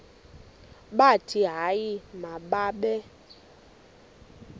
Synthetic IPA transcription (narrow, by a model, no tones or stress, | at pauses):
ɓatʰiɦajimaɓaɓɛ